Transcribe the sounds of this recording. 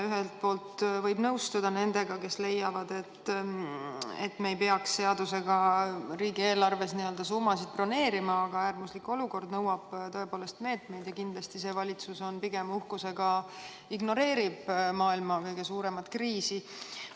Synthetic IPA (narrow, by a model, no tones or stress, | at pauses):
yɦelt̪̚po̞ːlt̪vɤjbnɤwst̪ud̪ɑne̞nd̪e̞ɡ̥ɑke̞sle̞jːɑvɑd̪̥e̞t̪ː | ḛt̪ːme̞ːjpe̞ɑksːe̞ɑd̪use̞ɡɑɾiːɡie̞ːlɑrve̞sniø̞ld̪̥ɑsuːmɑsid̪̚pro̞ne̞ːɾimɑːɡɑæːrmusliko̞luko̞rd̪nɤwɑb̥t̪ɤ̞e̞poːle̞st̪me̞ːt̪me̞jd̪̥jɑkind̪lɑst̪ise̞ːvɑlʲit̪suso̞npiɡ̥emuhkuse̞ɡɑ | iɡno̞ɾe̞ːɾib̥mɑːilmɑkɤjɡ̥e̞suːɾe̞mɑt̪kriːsi